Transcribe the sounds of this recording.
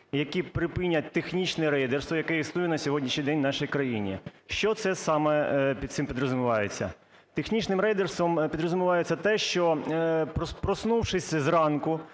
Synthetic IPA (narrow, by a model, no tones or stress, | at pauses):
jɐkipɾɪpɪnʲːɐt̚ʲt̪exnʲit͡ʃnɛɾɛjd̪erst̪ʋɔjɐkɛjisnujʊnɐsʲɔɦɔdʲnʲiʃnʲid̪ɛnʲnɑʃijkɾɐjinʲḭʃt͡ʃɔt̪sɛsɑmɛpʲid̪t̪sɪmpʲid̪ɾɔzʊmʊʋɑjet͡sʲːɐ̰ | t̪exnʲit͡ʃnɪmɾɛjd̪erst̪ʋɔmpʲid̪ɾɔzʊmʊʋɑjet͡sʲːɐt̪ɛʃt͡ʃɔppɾɔsnuwʃɪsʲzrɑnkʊ